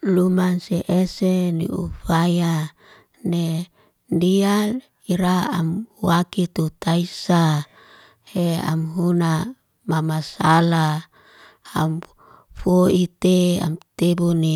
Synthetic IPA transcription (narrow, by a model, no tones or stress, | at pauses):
lumanseʔesenḭṵfaja | ne | ndial | iɾaa̰mwakit̪ut̪aisa | hea̰mɦuna | mamasala | am | foit̪ea̰mt̪ebuni